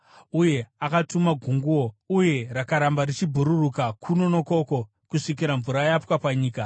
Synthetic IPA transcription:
uje̞akatumaɡʱuŋɡuwo̞uje̞ɾakaɾambarit͡ʃibʱuɾurukakʰuno̞no̞ko̞ko̞ | kuʂik̬iɾaɱvuɾajapwapaɲiːka

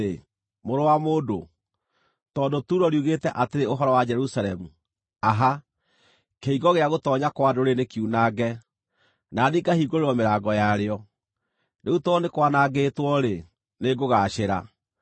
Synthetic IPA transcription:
e | moɾowamoːdo | tɔːndotuːɾɔɾjuɣetɛʔateɾeoɦɔɾɔwad͡ʒɛɾusaɾɛmu | aɦa | keiɡɔɣeaɣotɔːɲakwadoɾenekiunaɡɛ | naniːɡahiːɡoɾeɾɔmeɾaːɡɔjaɾeɔ | neutwɔnekwanaɡetwɔɾe | neɡoɣaːʃeɾa

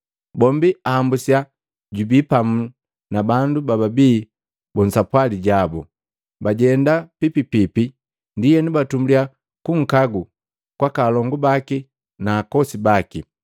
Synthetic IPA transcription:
bɔmbiaambusia | ɟubiːpamu | nabandubababiː | bɔn̩sapwaliɟabɔ̰ | baɟɛndapipipipi | ndijɛnubatumblia | kuŋ̩kaɡu | kwakalɔŋɡubaki | naːkɔsibaki

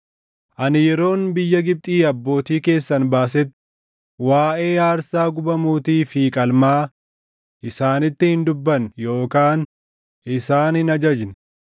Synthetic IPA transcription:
ʔɐnɪjɛɾo̞ːnbɪjːɐɡɪb̚t̪ʼiːɐbːo̞ːt̪iːke̞ːsːɐnbaːs̬ɛt̪ː | waːʔe̞ːjaːɾsaːɡʊbɐmuːt̪iːfiːkʼɐlmaː | ʔɪsaːnɪt̪ːɪhɪnd̪ʊbːɐnjo̞ːkaːn | ɪsaːnɪnɐd͡ʒɐd͡ʒn

